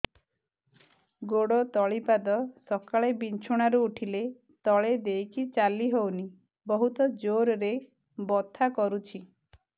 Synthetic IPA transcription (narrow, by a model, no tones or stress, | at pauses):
ɡoɽɔt̪ɔɭipad̪ɔsɔkaɭebint͡ʃʰoɽ̃aɾuuʈʰile | t̪ɔɭed̪ejkit͡ʃaliɦowni | bɔɦut̪ɔd͡ʒoɾɾe | bɔt̪ʰakɔɾut͡ʃʰi